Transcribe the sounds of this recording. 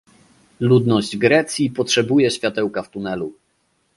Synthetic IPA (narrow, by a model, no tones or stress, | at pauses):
lud̪nɔʑd͡ʑɡɾɛt̪sʲjipɔtʂɛbujɛɕfʲjat̪ɛwkaft̪unɛlu